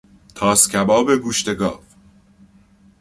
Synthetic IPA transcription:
t̪ʰɒːscʲʰæbɒːbe̞ɡuːʃt̪e̞ɡɒ̰ːv

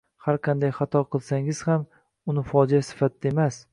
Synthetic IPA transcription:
haɾqʰɑnd̪ajχɑt̪ʰɒqʰɨlˠsaŋɪz̥ham | ʊnɪfɒd͡ʒiasɪ̥fat̪̚d̪aemas

